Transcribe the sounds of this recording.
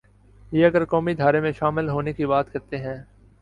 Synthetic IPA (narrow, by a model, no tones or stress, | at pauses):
jeːɐɡəɾkɔːmid̪ʱaːɾemẽʃaːmɪlɦoːnekibaːt̪kɐɾt̪eɦɛ̃ː